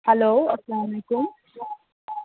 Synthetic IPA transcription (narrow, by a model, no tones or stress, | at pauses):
hɛloːɐslaːmɐlekʊm